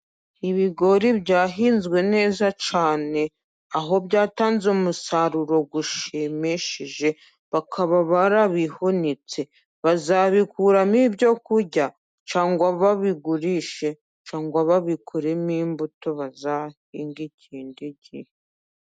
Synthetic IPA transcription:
iβiɡo̞ɾibɟaːɦiːnzɡwe̞ne̞ːzat͡ʃaːne̞ | aɦo̞bɟaːtaːnzeumusaɾuɾo̞ɡuʃemeʃiʒe̞ | βakʰaβaβaɾaβihonit͡se̞ | βazaβikuɾamibjo̞kuɾɟa | t͡ʃaːŋɡwaβaβiɡuɾiʃe̞ | t͡ʃaːŋɡwaβaβikʰoɾemiːmbuto̞βazahiːŋɡicʰiːndiɟihe

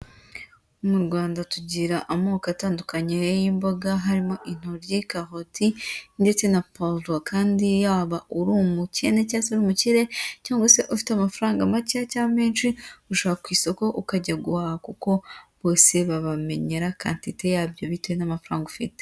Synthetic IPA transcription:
omuɾɡwaːndatuɟiɾaʔamoːkataːndukaɲejimboɡaɦaɾimo̞ʔin̥uɾjikaɦotʰinde̞t͡se̞napoldwakʰaːndijaβaʔuɾumuce̞necaːseuɾuːmuciɾe̞caːŋɡwase̞ʔufi̥tamafɾaːŋɡamaciacaːme̞ːnʃiuʃoβakwiːsoko̞ʔukaɟaɡuaːhakuko̞βo̞ːse̞βaβame̞ɲe̞ɾaka̰ntite̞jaːbjo̞βitwenamafɾa̰ːŋɡufḭte

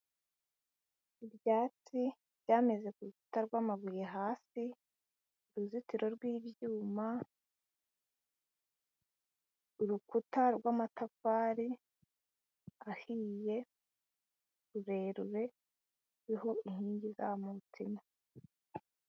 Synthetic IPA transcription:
ibjaːt͡si | bjaːme̞ze̞kuɾuku̥taɾɡwaːmaβujeɦaːsi | ɾuzitiɾo̞ɾɡwiːβjuːma | uɾukutaɾɡwaːmatafaːɾi | ahije̞ | ɾuɾe̞ːɾuɾe̞ | ɾiɦo̞inhiːɲɟizamuutima

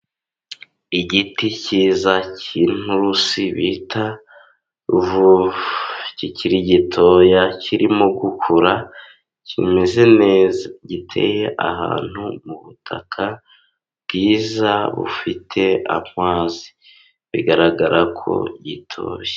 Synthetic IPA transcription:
iɟiticiːzacin̥uɾusiβitʰa | vu | ciciɾiɟitʰo̞jaciɾimoɡukʰuɾa | cḭmeze̞neːzaɟitʰe̞̰je̞ʔa̰ɦa̰ːn̥humuβutʰa̰kʰa | bɡiːzaβṵfitʰe̞a̰mŋaːzi̥ | βiɡaɾaɡaɾʔakʰo̞̰ɟitʰo̞̰ːje

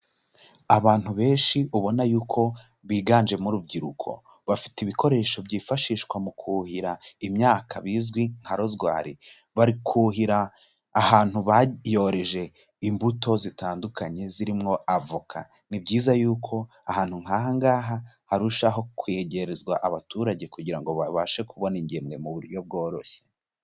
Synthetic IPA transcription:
aβaːn̥huβe̞ːnʃiʔuβo̞najuːkʰo̞ | βiːɡaːnd͡ʒe̞muɾub̚ɟiɾukʰo̞̰ | βafi̥teiβiko̞ɾe̞ːʃo̞bɟiːfaʃiːʃkwamukʰuhiɾaimɲaːkʰaβiːzɡwiŋ̥haɾo̞zɡwa̰ːɾi | βaɾikʰuhiɾaː | haːn̥huβajo̞ɾeʒe̞ | imbuto̞zitaːndukaɲe̞ziɾimŋo̞ʔavukʰa̰ | nibɟiːzajuːkʰo̞ | ahaːnhuŋ̥aɦaŋɡaːɦa | haɾuʃaɦo̞kwe̞ɟe̞ɾezɡwaʔaβatuːɾaɟe̞kuɟiɾaŋɡo̞aβaʃe̞kuβo̞niɲɟemɡe̞muβuɾjo̞b̚ɡo̞ːɾo̞̰çe

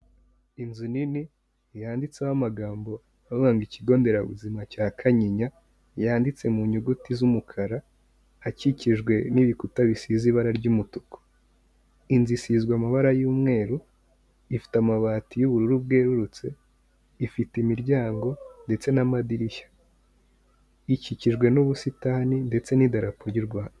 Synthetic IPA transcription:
inzunini | jaːndit͡sawamaɡaːmbo̞ | aββaːŋɡiciɡo̞ːnde̞ɾaβṵzimacaːkʰaɲiɲa | jaːndit͡se̞muɲuɡutizumukʰaɾaː | ciciʒɡwe̞niβikutaβisiːziβaɾaɾɟumutuko̥ | inzisizɡwamaβaɾajuːmŋe̞ːɾu | ifi̥tamaβaːtijuβuɾuɾub̚ɡe̞ːɾuɾut͡se̞ | ifitimiɾɟaːŋɡo̞nde̞t͡se̞namadiɾiʃḁ | iciciʒɡwe̞nuβusitaninde̞t͡se̞nidaɾapoɾjiɾɡwaːna

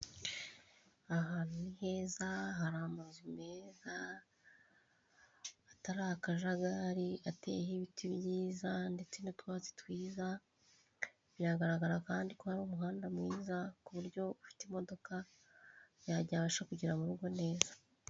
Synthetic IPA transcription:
aɦanunihe̞ːzaɦaɾaːmuzime̞za | taɾaakaʒaɡaɾiate̞̰hiβitiβjiːzande̞t͡se̞notwaːzetwiːza | βiɾaɡaɾaɡaɾakaːndiko̞haɾumuɦaːndamŋiːzakuβuɾɟo̞βufi̥temo̞do̞ka | jaɾɟaβaʃakuɟiɾamuɾuɾɡwo̞ne̞ːz̥ḁ

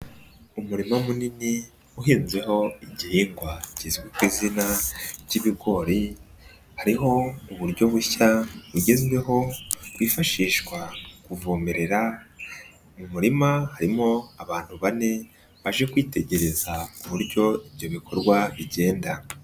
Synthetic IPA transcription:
umuɾimomunini | uɦiːnzɡwe̞ɦo̞iɟihiːŋɡwacizɡwekwiːzinaɟiβiɡo̞ːɾi | haɾiɦo̞uβuɾɟo̞βuçaβuɟe̞zɡwe̞ɦo̞wiːfaʃiːʃkwakuvoːmeɾe̞ɾa | mumuɾimahaɾimo̞aβaːn̥huβane̞ | βaʒe̞kwiːte̞ɟe̞ɾe̞zakuβuɾɟo̞iβɟo̞βikʰo̞ɾɡwaβiɟe̞ːnda

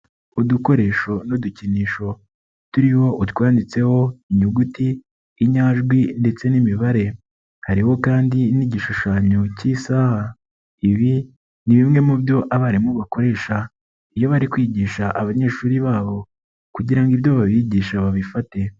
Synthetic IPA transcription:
uduko̞ɾe̞ːʃo̞noduciniːʃo̞ | tuɾiho̞ʔutwaːndit͡se̞ho̞iɲuɡutiː | ɲaːʒɡwinde̞t͡se̞nimiβaɾe̞ | haɾiho̞kaːndiniɟiʃuʃaːɲocisaha | iβi | niβimŋe̞mubjo̞ʔaβaɾimuβako̞ɾe̞ːʃa | ijo̞βaɾikwiːɟiːʃaʔaβaɲe̞ːʃuːɾiβaːβo̞ | kuɟiɾaŋɡiβjo̞βaβiɟiːʃaβaβifate̞

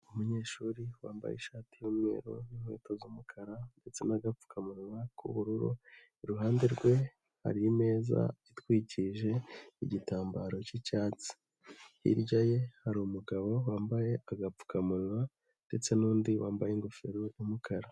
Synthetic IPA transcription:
umuɲe̞ːʃuːɾiwaːmba̰jḛʃaːtijumŋe̞̰ːɾo̰jumwḛːtozuːmukʰaɾande̞t͡se̞naɡap͡fu̥kʰamuɾwakṵβuɾuɾṵ | iɾuɦaːnde̞ɾɡwe̞ | ha̰ɾiime̞ːza̰itwiːciʒe̞iɟitaːmbaːɾo̞cicaːt͡si̥ | hḭɾɟaje̞haɾumuɡaβo̞waːmbaje̞aɡap͡fu̥kʰamulwa | nd̥e̞t͡se̞nuːndiwa̰ːmbajeŋɡofeɾojomukʰaɾa

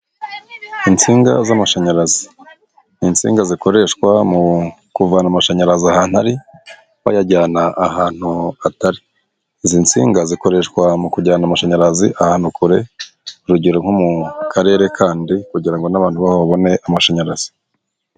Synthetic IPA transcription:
int͡siːŋɡa̰zamaʃaɲaɾazi | int͡sḭːŋɡaziko̞ɾe̞ʃkwamu | kuvaːnamaʃaɲaɾaziahaːnhaɾi | wa̰jaɟaːnaʔːhaːn̥huataɾi | zint͡sḭːŋɡaziko̞ɾe̞ʃkwamukuɟaːnamaʃaɲaɾaziʔahaːn̥hukuɾe̞ | uɾuɟiɾom̥humukʰaɾe̞ːɾe̞kʰaːndikuɟiɾaŋɡo̞naβaːnhuβahoβaβo̞ne̞ʔamaʃaɲaɾaz̥i̥

